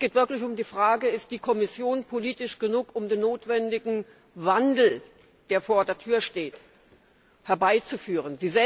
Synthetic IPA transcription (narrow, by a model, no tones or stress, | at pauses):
sɡ̥eːtv̥ɪɐklɪçʊmdiːfʁ̥aːɡəɪst̚d̥iːkʰɔmɪsjoːnpʰoliːtɪʃɡ̥ənuːkʊmdeːnːoːtv̥ɛndɪɡŋ̩ | vandl̩ | d̥eːɐfoːɐdeːɐtʰyːɐʃteːt | hɛɐbaɪt͡sufyːʁ̞ənziːzɛ